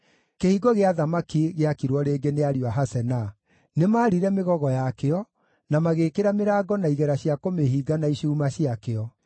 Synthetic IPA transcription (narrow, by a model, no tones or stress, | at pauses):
kehiɡɔɣeaðamakiɣeakiɾwɔɾeːɡeneaɾjwaɦasɛna | nemaːɾiɾɛmeɣɔɣɔjakeɔ | namaɣekeɾameɾaːɡɔnaiɣɛɾaɕiakomeɦiːɡanaiɕuːmaɕiakeɔ